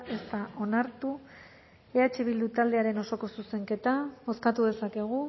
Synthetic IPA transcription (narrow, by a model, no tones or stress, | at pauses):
e̞st̪aʔo̞naɾt̪u | eat͡ʃe̞βild̪ut̪ald̪e̞aɾe̞no̞so̞ko̞suse̞ŋke̞t̪aβo̞skat̪uðe̞sake̞ɣ̞u